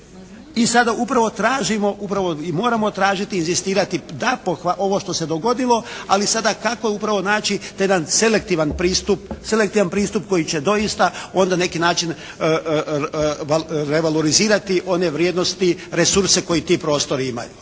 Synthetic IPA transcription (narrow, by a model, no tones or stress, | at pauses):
isad̪aupɾaʋo̞t̪ɾaːʒimo̞ʔupɾaʋo̞imo̞ːɾamo̞t̪ɾaːʒit̪iːnzist̪iːɾat̪id̪apoxaʔo̞ʋo̞ʃt̪o̞se̞d̪o̞ɡo̞d̪ilo̞alisad̪akako̞upɾaʋonaːt͡ʃit̪jed̪anse̞lek̚t̪iːʋanpɾiːst̪upse̞lek̚t̪iːʋanpɾiːst̪up̚ko̞jit͡ɕe̞d̪o̞jist̪ao̞nd̪anne̞kinaːt͡ʃin | ɾe̞ʋaloɾiziːɾat̪iʔo̞ne̞ʋɾjed̪no̞st̪iɾe̞suɾse̞ko̞jit̪iːpɾo̞ːst̪o̞ɾiima̰ju